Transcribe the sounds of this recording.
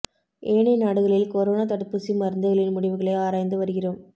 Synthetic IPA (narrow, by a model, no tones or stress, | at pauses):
ʔeːɳɛnaːɽɯɣɐɭɪlkɔɾoːnat̪ɐɽɯpːɯsimɐɾɯnd̪ɐɣɐɭɪnmʊɽɪʋɯɣɐɭɐɪaːɾaːjnd̪ɯʋɐɾɯɣɪroːm